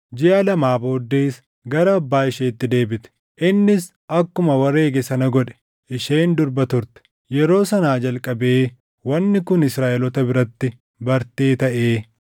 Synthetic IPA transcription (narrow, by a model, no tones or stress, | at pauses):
d͡ʒɪʔɐlɐmaːbo̞ːd̪ːeːs | ɡɐɾɐːbːaːɪʃeːɪt̪ːɪd̪e̞ːbɪt̪ɛ̥ | ʔɪnːɪs | ʔɐkːʊmɐwɐre̞ːɡɛsɐnɐɡɔᶑɛ̥ | ʔɪʃeːnd̪ʊɾbɐt̪ʊɾt̪ɛ̥ | jɛɾo̞ːsɐnaːd͡ʒɐlkʼɐbe̞ː | wɐnːɪkʊnɪsɾaːʔɛlɔt̪ɐbɪɾɐt̪ːɪ | bɐɾt̪e̞ːt̪ɐʔe̞ː